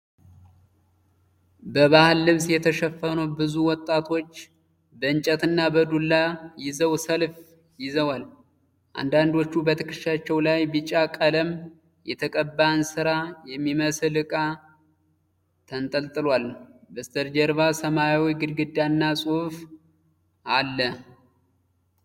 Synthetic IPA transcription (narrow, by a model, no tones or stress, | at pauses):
bəβahɨlːɨβsjɛt̪ʰəʃɛfːənəwbɨzuwɔt̪ʼːat̪ʰo̞t͡ʃː | bəɨnt͡ʃʼət̪ɨnːabəd̪ulːajɪzəwsəlf | jɪzəwal | ʔa̰nd̪and̪o̞t͡ʃːubət̪ʰɨkɨʃat͡ʃːɛwlajbɨt͡ʃʼakʼələm | jɛt̪ʰəkʼəbːansɨɾajɛmːiməsɨlɨkʼa | t̪ʰənt̪ʼəlt̪ʼɨlwalb̪ɨst̪ʰəɾd͡ʒɛɾβasəmajawiɡɨd̪ɡɨd̪anːasʼuf | alːə